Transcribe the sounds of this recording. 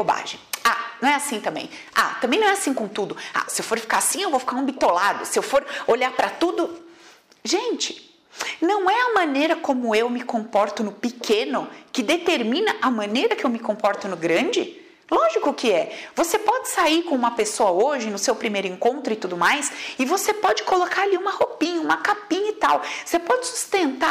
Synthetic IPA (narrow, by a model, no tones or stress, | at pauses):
boba̰ʒḛ̃j̃a̰nɐ̃w̃ɛasĩt̪ɐ̃mbḛ̃j̃ | a̰t̪ɐ̃mbẽj̃nɐ̃ɛasĩkõt̪ud̪ʊa̰sɪewfoɾfi̥kaɾasĩewvowfi̥kaɾũbit̪olad̪ʊsɪewfoɾoʎaɾpɾɐt̪ud̪ʊ | ʒẽnt͡ʃɪ̥ | nɐ̃w̃ɛɐmɐ̃nejɾɐkõmʊewmɪkõpɔɾt̪ʊnʊpɪkʰẽnʊkɪd̪et̪eɾmĩnɐʔɐmɐ̃nejɾɐkɪewmɪkõpɔɾt̪ʊnʊɡɾɐ̃d͡ʒɪ̰ | lɔʒikʊkɪɛvosepɔd͡ʒɪsaiɾkõũmɐpesoɐoʒɪnʊsewpɾimejɾʊẽŋkõnt̪ɾʊɪt̪ud̪ʊmajsɪvosepɔd͡ʒɪkolokaɾaliũmɐhopĩɲɐũmɐkapĩɲɐɪt̪awosepɔd͡ʒɪsu̥st̪ẽnt̪a